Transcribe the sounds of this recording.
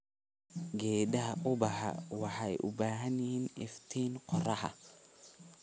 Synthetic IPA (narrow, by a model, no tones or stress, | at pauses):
ɡɛːd̪ɐɦɐʔʊbɐɦɐ̰wɑħɑjʔʊbaːɦɐnɪhiːnɪft̪ʰiːnqɔrɐhɐ̰